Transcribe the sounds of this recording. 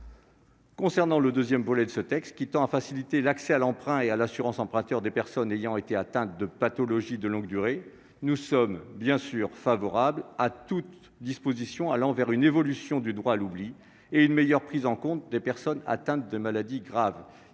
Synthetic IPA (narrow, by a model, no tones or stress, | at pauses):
kɔ̃sɛʁnɑ̃ləd̪øzjɛmvɔlɛd̪əsət̪ɛkst̪̚kʲit̪ɑ̃afasilit̪elaksɛalɑ̃pχɛ̃ealasyʁɑ̃sɑ̃pχɛ̃t̪œʁd̪epɛʁsɔnejɑ̃et̪eat̪ɛ̃t̪̚d̪əpat̪ɔlɔʒid̪əlɔ̃ɡd̪yʁe | nusɔmbjɛ̃syʁfavɔʁablat̪ut̪ | d̪ispozisjɔ̃alɑ̃vɛʁynevɔlysjɔ̃d̪yd̪ʁwaːlubli | eynmejœʁpχizɑ̃kɔ̃t̪̚d̪epɛʁsɔna̰t̪ɛ̃t̪̚d̪əmalad̪iɡʁav